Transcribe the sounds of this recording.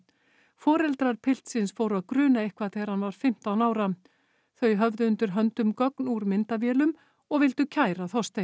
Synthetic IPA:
fɔːɾɛlt̪ɾaɾpʰɪl̥t̪sɪnsfowɾaðkɾʏːnaehkvaθeɣaɾ̥hanvaɾ̥fɪm̥t̪awnaːwɾa | θœɥɦœvðʏʏnt̪ʏɾɦœnt̪ʏmkɔknuɾmɪnt̪avjɛːlʏm | ɔɣvɪlt̪ʏcʰaːjɾaθɔst̪e

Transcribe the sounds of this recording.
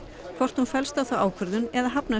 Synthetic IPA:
kʰvɔr̥t̪hunfɛlst̪awθawʔaːwkʰvœɾðʏnɛðaɦapna

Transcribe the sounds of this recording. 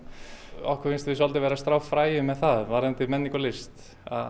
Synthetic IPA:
ɔ̰hkʰɛɾvenst̪vɪsɔlt̪ɪvɛːɾast̪ɾawfɾaːjʏmːɛðθaðvaɾɛnt̪ɪmɛnːikɔlɪst̪ | a̰

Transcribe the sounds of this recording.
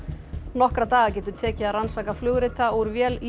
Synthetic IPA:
nɔhkɾat̪aːɣacɛːt̪ʏt̪ʰɛːcɪaðransaːkaflʏɣɾɪt̪aɔɾvjɛːl

